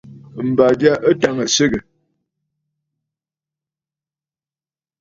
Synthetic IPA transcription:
m̩˨ba˨dja˦ʔə˦ta˦ŋə˨sə˦ɡə˨

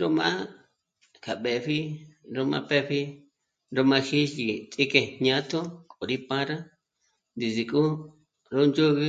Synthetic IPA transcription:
ɾo˦mã̰˦ | kʰa˨ɓe˨ɸi˦ɾo˧mã̰˧pe˦ɸi˦ | ɾo˧mã˧ʃi˦ʒi˨t͡s̪ʼi˦ke˧ɲã˦t̪o˦kʼo˨ɾi˦pa˦ɾa˦ | nd̪i˨zi˨kʼu˦ | ɾo˦nd͡ʒo˦ɣɨ˦

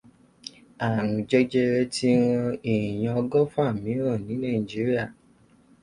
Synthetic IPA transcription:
a˨ɾũ˨d͡ʒɛ˧d͡ʒɛ˧ɾɛ˧˦ti˦w̃ɔ̃˧i˨ĩ˨j̃ã˧ɔ˧ɡɔ˦fũ˦a˦˨mĩ˨˦ɾɔ˦˨nĩ˨˦nã˦˨i˨d͡ʒi˨˦ɾi˦a˦˨

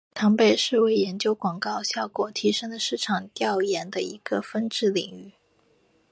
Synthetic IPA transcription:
t̪ʰɑ˧˥ŋpe˥˩ɪʂɻ̩˥˧we˥˩ɪjɛ˧˥nt͡ɕjo˥ʊkwɑ˨˩ŋkɑ˥˧ʊɕjɑ˥˩ʊkwɔ˨˩t̪ʰi˧˥ʂɤ˥ŋd̪ə˨ʂɻ̩˥˩ʈ͡ʂʰɑ˨˩ŋt̪jɑ˥˩ʊjɛ˧˥nd̪ə̰˧i˧˥ɡ̥ə˧fə˥nʈ͡ʂɻ̩˥˩li˨˩ŋy˥˩

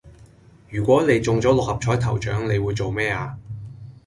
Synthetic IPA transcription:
jyː˨˩kʷɔː˨˥ne˨˧jt͡sʊ˨ŋt͡sɔː˨˥lɔ˨k̚hɐ˨p̚t͡ʃʰɔː˨˥jt̪ʰɐ˨˩wt͡ʃœ̰ː˨˥ŋne˨˧jwuː˨˧jt͡so˨wmɛː˥aː˧

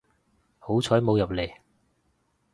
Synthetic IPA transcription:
ho˨˥wt͡sʰɔː˨˥jmo˨˧wjɐ˨p̚le˨˩j

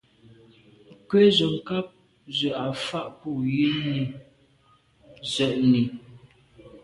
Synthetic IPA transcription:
kwe˦zə˨ŋ̩˨ka˦p̚ | zə˨a˨fa˦ʔpu˦˨ji˦ni˨ | zə˨ʔni˨

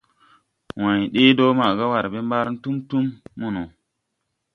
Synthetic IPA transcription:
wã˨jɗe˦do˦ma˨ɡa˦wa˨ɾbe˦mba˦ɾn̩˦tu˦mtu˦mːu˦no˨

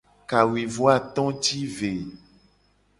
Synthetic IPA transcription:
ka˨wi˨vo˦a˦t̪ɔ̃˦t͡ʃi˦ve˨

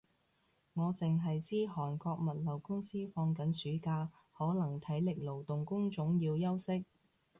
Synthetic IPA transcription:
ŋɔː˨˧t͡sɪ˨ŋɦɐ˨jt͡siː˥ɦɔː˨˩nkɔː˧k̚mɐ˨˩t̚lɐ˨˩wkʊ˥ŋsiː˥fɔː˧ŋkɐ˨˥nsyː˨˥kaː˧ | hɔː˨˥lɐ˨˩ŋt̪ʰɐ˨˥jlɪ˨k̚lo˨˩wt̪ʊ˨ŋkʊ˥ŋt͡sʊ˨˥ŋjiː˧wjɐ˥wsɪ˥k̚

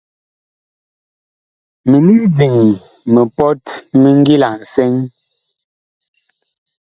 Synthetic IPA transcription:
me˨ni˦d͡zi˨ŋ˨ | mə˨pɔ˦tmə˦ŋ˦ɡi˦la˨n̩˨sɛ˦ŋ

